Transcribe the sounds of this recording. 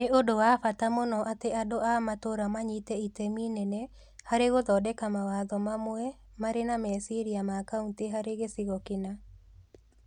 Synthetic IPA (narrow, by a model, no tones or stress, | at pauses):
neodowafatamonɔʔateadoamatoɾamaɲitɛitɛminɛnɛ | haɾeɣoðɔdɛkamawaðɔmamoɛ | maɾenamɛsiɾiamakaunteɦaɾeɣesiɣɔkina